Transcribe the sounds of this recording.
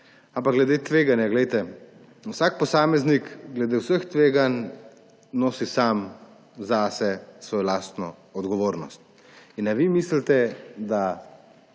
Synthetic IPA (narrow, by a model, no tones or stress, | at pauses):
ampak̚ɡlɛd̪eːt̪ʋeːɡanjaɡlɛjt̪ɛ | uwsaːk̚pɔsaːmɛznikɡlɛd̪eːwsəxt̪ʋeːɡan | noːsisam | zasɛsʋoːjɔlaːst̪nɔɔd̪ɡɔʋoːɾnɔ̰st̪̚ | inːaʋimislt̪ɛd̪a